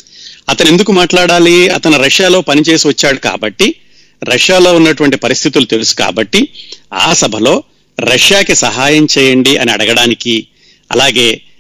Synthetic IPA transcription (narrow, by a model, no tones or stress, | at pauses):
ɐt̪ɐne̞nd̪ukumaːʈlaːɽaːliɐ̰t̪ɐnuɾɐʂjaːlo̞ːpɐnit͡ʃe̞ːsiʋɐt͡ʃːaːɽuka̰ːbɐʈːi | ɾɐʂjaːlo̞ːunːɐʈuʋɐɳʈipɐɾist̪ʰit̪ulut̪e̞lusu̥ka̰ːbɐʈːia̰ːsɐbʱɐlo̞ː | ɾɐʂjaːkesɐɦaːjɐmt͡ʃɛːjɐɳɖiɐniɐ̰ɽɐɡɐɽaːniki | ɐ̰laːɡe̞ː